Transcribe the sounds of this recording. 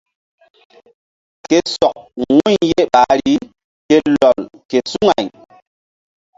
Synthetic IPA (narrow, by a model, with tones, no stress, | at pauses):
ke˦sɔ˨k̚wu˦ɲje˦ɓa˨˦ɾi˦ | ke˦lɔ˨lke˨su˦ŋa˨ɲ